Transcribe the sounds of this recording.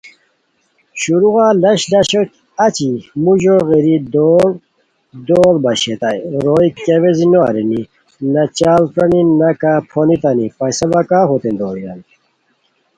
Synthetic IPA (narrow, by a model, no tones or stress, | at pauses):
ɕuɾuɣalɐɕlɐɕeʈ | at͡ɕimuʑoɣeɾid̪oɾ | d̪oːɾbɐɕet̪ajɾojkeʋezinoɐ̰ɾini | nɐt͡ɕaːlpɾɐninɐkapʰonit̪anipɐjsɐbɐkaɦot̪end̪oːɾiani